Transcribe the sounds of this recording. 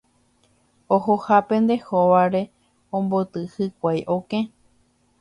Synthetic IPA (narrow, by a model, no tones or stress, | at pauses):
ohohapẽ̞nd̪e̞hoʋaɾe̞ | õmbot̪ɨhɨkʷajʔokẽ